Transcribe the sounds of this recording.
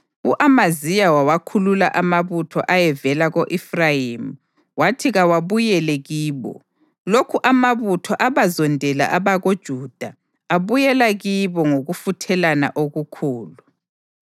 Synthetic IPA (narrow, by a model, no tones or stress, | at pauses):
uʔamazijawawakʰulula̰ʔamaβutʰɔ̰ʔajɛvɛlaɣoʔifrajimu | watʰiɣawaβujɛlɛɣiːβɔ̰ | lokʰuʔamaβutʰɔʔaβazɔndʱɛla̰ʔaβaɣod̥ʒ̥ʱuːd̥ʱa | aβujɛlaɣiβɔŋoɣufutʰɛlana̰ʔoɣukʰuːlu